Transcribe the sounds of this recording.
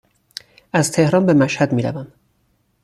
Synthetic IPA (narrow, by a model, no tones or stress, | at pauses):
ʔæzt̪ʰe̞hɾɒːnbe̞mæʃhæd̪miːɾæ̰væm